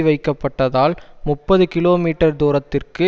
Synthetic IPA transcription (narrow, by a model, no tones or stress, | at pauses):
ʋɐɪkːɐpːɐʈːɐðaːlmʊpːɐðɯkɪloːmiːʈːɐɾd̪uːɾɐt̪ːɪrkɯ